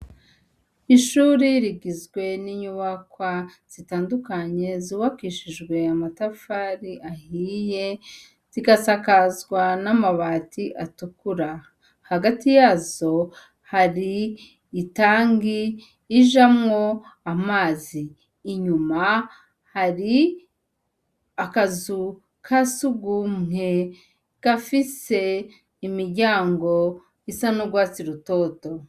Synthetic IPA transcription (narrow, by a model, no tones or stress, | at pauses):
iʃuːɾiɾiɡizɡwe̞niɲuβakwaz̥itaːndukaɲe̞ziwakiːʃiʒɡwe̞amatafaɾiʔahiːje̞ | z̥iɡasakazɡwanamaβaːtiʔatukuɾa | haɡatijaːzo̞ | haɾiː | taːŋɡiː | ʒamŋo̞amaːziː | ɲuma | haɾi | akazu | kʰasuɡumŋe̞ | ɡ̥afise̞ | imiɾɟaːŋɡo̞ | isanoɡwaːt͡siɾuto̞ːto̞